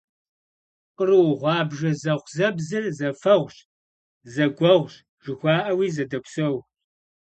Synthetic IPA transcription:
qərɨwʁʷɑːbʒɐzɐʁʷzɐbzɐzɐfɐʁʷɕ | zɐɡʷɐʁʷɕ | ʒ̥ɨxʷɑːʔɐwiːzɐdɐkʷsɐw

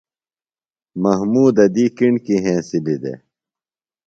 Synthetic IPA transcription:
mɐɦmuːd̪ɐd̪iːkiɳkiɦẽːsilid̪ḛ

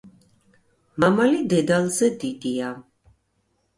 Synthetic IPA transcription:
mamalid̪ɛd̪alzɛd̪id̪ia

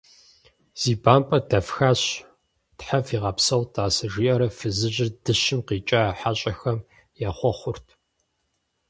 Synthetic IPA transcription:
z̥iːbaːmpʼɐdɐfxaːɕ | tħafiːʁɐpsɐwtʰʼaːsɐʒiːʔɐɾɐfɨzɨʑɪrdɨɕɪmqiːt͡ʃʼaːħaɕʼɐxɐm | jaːχʷɔχʷʊrtʰ

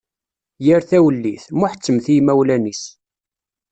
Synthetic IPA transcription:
jəɾθæwəlːiθmʊħə̥t͡sːəmθijmæwlænis

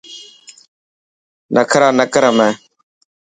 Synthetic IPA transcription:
nəkʰɾaːnəkəɾəmeː

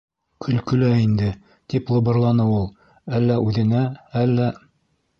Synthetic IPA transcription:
kʰɵ̆lkɵ̆læind̪ɘ | t̪iplˠŏbɤ̆ɾlˠɑnɤulˠ | ælːæʔʉðɘ̆næælːæ

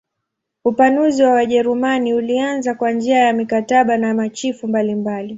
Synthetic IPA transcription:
upanuziwawaʄɛɾumaniulianzakwand͡ʒiajamikataɓanamat͡ʃifumbalimbali

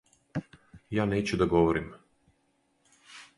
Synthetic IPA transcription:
jaːneːt͡ɕud̪aɡoʋoɾim

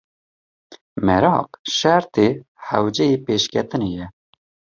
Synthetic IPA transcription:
mɛɾɑːqʃæɾt̪eː | hæwd͡ʒɛjeːpeːʃkʰɛt̪ɨneːjɛ

